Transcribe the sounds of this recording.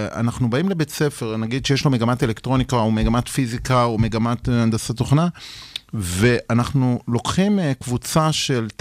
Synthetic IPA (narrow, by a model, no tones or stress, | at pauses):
a̰naχnubaimlebett͡se̞fe̞ʁnaɡid̪ʃejeʃlo̞meɡamate̞le̞kt̪ʁo̞nikaomeɡamat̪fizikaome̞ɡamat̪and̪asat̪oχna | ve̞ʔanaχnulo̞kχimkvut͡saʃe̞lt